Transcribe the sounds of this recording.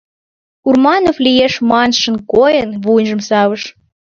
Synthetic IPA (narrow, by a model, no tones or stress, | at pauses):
urmɑnoflijeʃmɑnʃə̆nkojənβunʒə̆msɑwəʃ